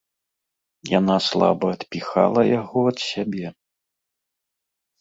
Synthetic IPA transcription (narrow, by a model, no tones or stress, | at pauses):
janaslˠa̰bɐːt̪pʲixa̰lˠɐjaɣɔɐt̪sʲabʲɛ